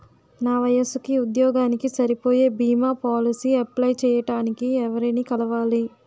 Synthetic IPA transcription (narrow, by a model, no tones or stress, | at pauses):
naːʋɐjɐsukiud̪jɔːɡaːnikisɐɾipo̞ːje̞ːbiːmaːpaːlisiːɐplɐjt͡ʃɛːjɐʈaːnikiɛʋɐɾɐnikɐlɐʋaːli